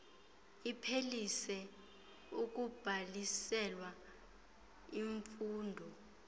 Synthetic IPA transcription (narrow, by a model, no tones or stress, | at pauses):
ipʰelisɛ | uk̬ʼub̥ʱalisɛlwa | iɱfuːndʱɔ